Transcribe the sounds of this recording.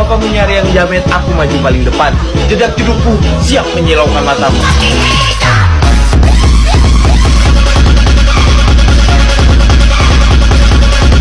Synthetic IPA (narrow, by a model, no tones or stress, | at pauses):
apamuɲaɾijaŋd͡ʒamɛnakumad͡ʒupalɪŋdəpat̪̚ | d͡ʒədak̚d͡ʒudupusiaŋməɲilawkanmat̪amu